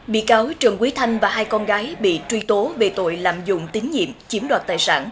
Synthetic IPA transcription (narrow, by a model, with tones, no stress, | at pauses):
ɓḭ˧˨kaː˨˦wt͡ɕɨ˨˩əŋkwi˨˦t̪ʰa˧jŋ̟vaː˨˩haː˧jkɔ˧nɣaː˨˦jɓḭ˧˨t͡ɕwi˧t̪o˨˦ve˨˩t̪o̰˧˨jlaː˧˨mzʊ̰˧˨ŋ͡mt̪ï˨˦ŋ̟ɲḭ˧˨əmt͡ɕi˨˦əmɗwaː˨˩t̚t̪aː˨˩jsa̰ː˧˩n